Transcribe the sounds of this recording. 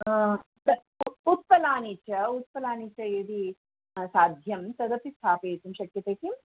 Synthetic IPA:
t̪ɐ | ut̪̚pɐlaːnit͡ʃɐut̪̚pɐlaːnit͡ʃɐed̪i | saːd̪ʱjɐmt̪ɐd̪ɐp̪ist̪ʰaːpeːt̪umʃɐkjɐt̪eːkim

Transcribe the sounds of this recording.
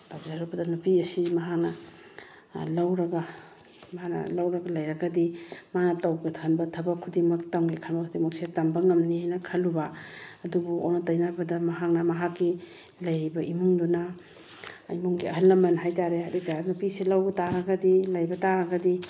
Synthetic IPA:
tab̚zaɾubɐdɐnupiɐsimɐɦak̚nɐ | lawɾɐɡɐ | mɐɦanɐ̰lawɾɐɡɐlɐjɾɐɡɐdimanɐtawɡɐtʰɐnbɐtʰɐbɐkʰudimɐk̚tawŋɡikʰɐnbɐkʰudimɐk̚setambɐŋɐmnihajnɐkʰɐlubaɐdubuʔonɐtajnabɐdɐmɐɦak̚nɐmɐɦakːi | lɐjɾibɐʔimuŋduna̰ː | jmuŋɡiɐɦɐlːɐmɐnɦajtaɾeaditanupisilawɡtaɾɐɡɐdilajbɐtaɾɐɡɐdi

